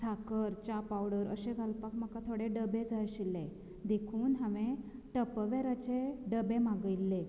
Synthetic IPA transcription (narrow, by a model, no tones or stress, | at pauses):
sʰakəɾt͡ɕapawɽəɾə̰ɕeɡʱalpakməkat̪ʰoɽẽɖəbed͡zʱaɾɕilẽ | d̪ekʰuːnɦaʋẽ | ʈəpəʋeɾat͡ɕeɖəbemaɡəjlːe